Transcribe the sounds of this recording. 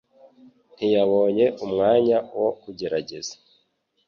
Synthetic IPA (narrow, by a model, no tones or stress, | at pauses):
n̥ijaβo̞ːɲe̞ʔumŋaːɲawo̞kuɟe̞ɾaɟe̞z̥ḁ